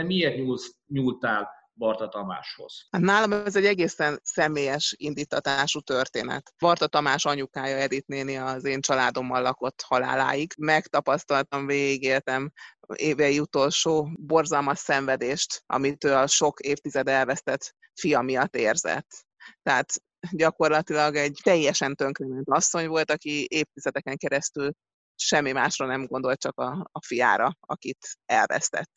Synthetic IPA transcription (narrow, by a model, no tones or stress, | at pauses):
ɛmieːrt̪ɲuls | ɲuːlt̪aːl | bɒrt̪ɒt̪ɒma̰ːʃho̞̰z̥hat̪naːlɒmɛzɛɟːɛɡeːsɛnsɛmeːjɛʃind̪iːt̪ʰːɒt̪aːʃut̪ø̞rt̪eːnɛ̰t̪bɒrt̪ɒt̪ɒmaːʃɒɲukaːjɒɛd̪it̪neːniɒzeːnt͡ʃɒlaːd̪o̞mːɒlːɒko̞t̪ːhɒla̰ːla̰ːjiɡmɛkt̪ɒpɒst̪ɒlt̪ɒɱveːɡiɡeːlt̪ɛm | eːvɛiut̪o̞lʃoːbo̞rzɒlmɒʃsɛɱvɛd̪eːʃt̪ʔɒ̰mit̪øːɒʃo̞keːft̪izɛd̪ɛlvɛst̪ɛt̪ | fijɒmijɒt̪ːeːrzɛ̰t̪ː | ɛaːt̪ | ɟɒko̞rlɒt̪ilɒɡɛɟt̪ɛjːɛʃɛnt̪ø̞ŋkrenɛnt̪ɒsːo̞ɲvo̞lt̪ɒkieːft̪izɛd̪ɛkɛŋkɛɾɛst̪yl | ʃɛmːimaːʃrɒnɛmɡo̞nd̪o̞lt̪̚t͡ʃɒkɒːfija̰ːɾɒɒ̰kit̪ɛlvɛ̰st̪ɛ̰t̪ː